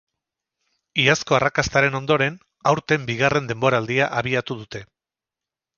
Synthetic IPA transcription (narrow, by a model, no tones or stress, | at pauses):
iasko̞arakast̪aɾe̞no̞nd̪o̞ɾe̞n | awɾt̪e̞mbiɣare̞nd̪e̞mbo̞ɾaːld̪iaʔaβiat̪uð̞ut̪e̞